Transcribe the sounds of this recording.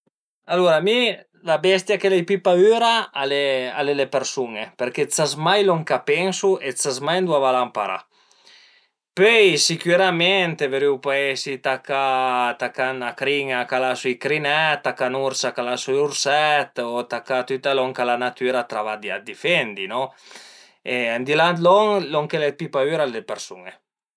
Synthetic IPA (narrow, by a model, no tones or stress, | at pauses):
aluɾami | labɛst̪jakelajpipayɾaalea̰lelepeɾsuŋepeɾket͡sasmajlɔŋkapɛŋsuet̪t͡sazmajnd̪wavalampaɾa̰ | pøjsikyɾamɛnt̪eveɾiwpaɛsit̪akat̪akanakɾiŋakalasujkɾinɛtt̪ːakanuɾsakalasujuɾsɛt̪ot̪akat̪yt̪alɔŋkalanat̪yɾat̪ɾavad̪ia̰d̪ifɛnd̪inɔ | eand̪ilant̪lɔŋlɔŋkelepipayɾald̪epeɾsṵŋe